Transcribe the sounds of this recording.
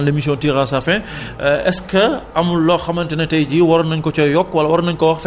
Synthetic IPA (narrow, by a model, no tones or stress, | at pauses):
nlemis̬jɔ̃ntiːrasafɛ | ɛskɐɐmulɔxɐmɐntɛnɐtɛjɟiwɔɾɐnɐɲkɔt͡ʃɔjɔkːwɐlɐwɐɾɐnɐɲkɔwɐxf